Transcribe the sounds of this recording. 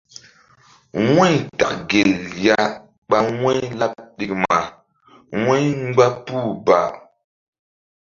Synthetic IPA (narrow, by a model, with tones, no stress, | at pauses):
we˦ɲta˨kɡe˨lja˦ | ɓa˦ŋe˦jla˦p̚ɗi˨k̚ma˨ | we˦ŋ˦ɡ͡ba˦pu˦ba˨